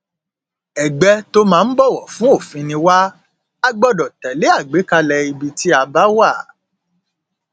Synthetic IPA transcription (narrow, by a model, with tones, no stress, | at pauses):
ɛ˨ɡ͡bɛ˧to˦mãː˨˦˧n̩˦bɔ˦˨wɔ˨fũ˨˦o˦˨fĩ˧nĩ˧wa˦ | a˦ɡ͡bɔ˧dɔ˨tɛ˨le˨˦a˦˨ɡ͡be˨˦ka˧lɛ˧i˧bi˧ti˦a˧ba˦wa˦˨